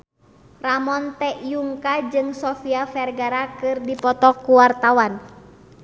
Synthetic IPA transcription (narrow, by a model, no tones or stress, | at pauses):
ramɔnt̪ɛjuŋkad͡ʒɨŋsɔfiafɛrɡaɾakɨrdipɔt̪ɔkːuwart̪awan